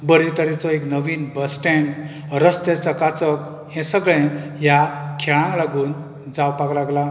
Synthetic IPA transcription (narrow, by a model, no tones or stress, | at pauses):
bəɾit̪əɾit͡sɔeknəʋiːnbəsʈɛɳ | ɾəst̪et͡səkat͡sək | hɛ̃səɡɭẽjakʰɛɭãŋklaɡuːn | d͡zawpaklaɡla